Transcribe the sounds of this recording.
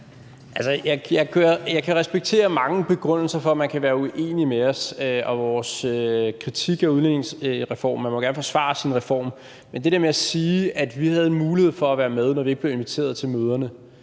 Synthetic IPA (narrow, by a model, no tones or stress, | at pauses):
ʔælsəjɑ̈ɪjɑ̈ɪkʰujɑ̈ɪkʰæʁɛsb̥eɡ̥̚t͡sʰe̝̰ːɐmɑ̈ŋəb̥e̝ɡ̥ʁɔn̰l̩sɐfɒ̽æmænkʰæʋæːɐuʔe̝̰ːnimeɒ̽søʔɒ̽ʋɒːsøkʰʁit͡sʰiɡ̥ɒuðˠlene̝ŋsʁɛfɒ̰ːmːænmɒɡæɐnəfɒ̽sʋɑ̰̈sinʁɛfɒ̰ːm | mend̥eɾeɐmeæsiːæd̥ʋihæðˠenmuːlihe̝ð̞̰ˠfɒ̽æʋæːɐmeð̞ˠnɒʋie̝ɡ̥b̥le̝ʊenʋit͡sʰe̝̰ːɐð̞̩ˠt͡sʰe̝lmøːð̞ˠɐnə